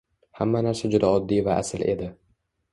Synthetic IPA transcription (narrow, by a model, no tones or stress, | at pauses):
hamːanaɾsad͡ʒʊd̪aɒd̪ːijvaʔa̰sɪle̞d̪ɪ